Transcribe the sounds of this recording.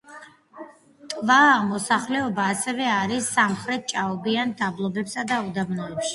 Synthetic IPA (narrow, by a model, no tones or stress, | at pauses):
t̪ʼvamɔsaχlɛɔbaːsɛvɛaɾisːamχɾɛt̪̚ʰt͡ʃʼaɔbiand̪ablˠɔbɛpsad̪aud̪amnɔɛpʃi̥